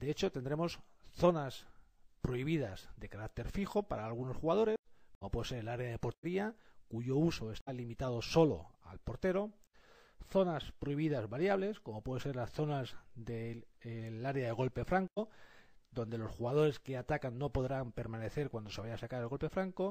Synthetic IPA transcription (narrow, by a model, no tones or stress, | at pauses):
d̪eet͡ʃo̞t̪e̞nd̪ɾe̞mo̞sθo̞naspɾo̞iβ̞ið̞azd̪e̞kaɾak̚t̪e̞ɾfixo̞pa̰ɾaːlɣ̞uno̞sxuɣað̞o̞ɾe̞skomopwe̞ðse̞ɾelaɾeaðe̞po̞ɾt̪e̞ɾiakuʝo̞uso̞e̞st̪alimit̪að̞o̞so̞lo̞̰a̰lpo̞ɾt̪e̞ɾo̞ | θo̞naspɾoiβiðazβaɾjaβle̞sko̞mo̞pwe̞ð̞ense̞ɾlasθo̞nazðe | laɾeaðe̞ɣ̞o̞lpe̞fɾaŋko̞d̪o̞nd̪e̞losxuɣað̞o̞ɾe̞ske̞at̪akanːo̞po̞ðɾampe̞ɾmãne̞θe̞ɾkwand̪ose̞βajasakaɾelɣo̞lpe̞fɾaŋko̞